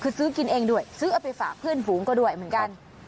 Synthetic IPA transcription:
kʰɨ˧˩sɨ˨˦ki˧nʔɛ˧ŋɗu˧˩əjsɨː˨˦ʔa˧˩pe˧faː˧˩pʰɨ˧˩ənvu˨˦ŋkɔ˧˦ɗu˧˩əjm˨˩nka˧n

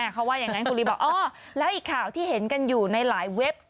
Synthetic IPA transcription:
a˧˩kʰa˦˥waː˥˩jaː˨˩ŋa˦˥nkʰu˧li˦˩bɔː˨˩k̚ʔɔː˧˩ | lɛː˦˥wʔiː˨˩kʰːaː˨˩wt̪ʰiː˥˩ɦe˩˦nka˧njuː˨˩na˧jlaː˩˦jwe˦˥p̚

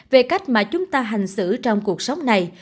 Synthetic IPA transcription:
ve˨˩ka˦˥jk̟̚maː˨˩t͡ɕʊ˨˦ŋ͡mt̪aː˧ɦa˨˩ŋ̟sɨ̰˧˩t͡ɕɔ˧wŋ͡mku˨˩ək̚sa˨˦wŋ͡mna˨˩j

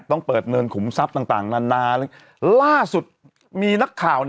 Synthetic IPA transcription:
t̪ɔ˥˩ŋpɤː˨˩t̪̚nɤː˧nkʰu˩˦msa˦˥p̚t̪aː˨˩ŋt̪aː˨˩ŋnaː˧nːaː˧lː | laː˥˩su˨˩t̪̚ | miː˧na˦˥kʰːaː˨˩w

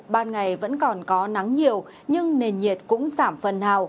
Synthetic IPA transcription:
ɓaː˧˩nŋa˨˩jvə̰˧˥nkɔ˨˩nkɔ˨˦na˨˦ŋɲi˨˩əw | ɲɨ˧ŋne˨˩nɲi˨˩ət̚kʊ̰˧˥ŋ͡mzaː˧˩mfə˨˩nhaː˨˩w

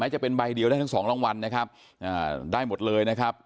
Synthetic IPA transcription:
mɛː˦˥t͡ɕa˨˩pe˧nba˧jdi˧əwdaː˥˩t̪ʰŋsɔː˩˦ŋlɔː˥˩ŋwa˧nːa˦˥kʰa˦˥p̚ | ʔaː˨˩daː˥˩jmo˨˩t̪̚lɤː˧jna˦˥kʰa˦˥p̚

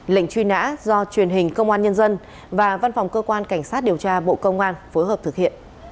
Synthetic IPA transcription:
lə̰˧˨ŋ̟t͡ɕwi˧na̰ː˧˥zɔ˧t͡ɕwi˨˩ənɦï˨˩ŋ̟kə˧wŋ͡mʔaː˧nɲə˧nzə˧n | vaː˨˩va˧nfa˨˩wŋ͡mkəː˧kwaː˧nka˧˩jŋ̟saː˦˥t̚ɗi˨˩əwt͡ɕaː˧ɓo̰˧˨kə˧wŋ͡mʔaː˧nfo˨˦jɦəː˨˩p̚t̪ʰk̚hḭ˧˨ən

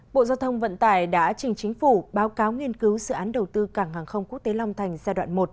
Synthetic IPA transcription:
ɓo̰˧˨zaː˧wt̪ʰə˧wŋ͡mvə̰˧˨nt̪aː˨˩jɗa̰ː˧˥t͡ɕï˨˩ŋ̟t͡ɕï˨˦ŋ̟fu˧˩ɓaː˨˦wkaː˨˦wŋi˧ənkɨ˨˦wzɨ̰˧˨ʔaː˨˦nɗə˨˩wt̪ɨ˧kaː˧˩ŋhaː˨˩ŋxə˧wŋ͡mku˦˥k̚t̪e˨˦la˧wŋ͡mt̪ʰa˨˩jŋ̟zaː˧ɗwa̰ː˧˨nmo˨˩t̚

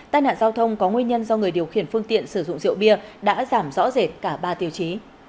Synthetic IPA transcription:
t̪aː˧jna̰ː˧˨nzaː˧wt̪ʰə˧wŋ͡mkɔ˨˦ŋwi˧ɲə˧nzɔ˧ŋɨ˨˩əjɗi˨˩əwxi˧˩ənfɨ˧əŋt̪ḭ˧˨ənsɨ˧˩zʊ̰˧˨ŋ͡mzḭ˧˨əwɓi˧əɗa̰ː˧˥zaː˧˩mzɔ̰˧˥ze˨˩t̚kaː˧˩ɓaː˧t̪i˨˧˩əwt͡ɕi˨˦

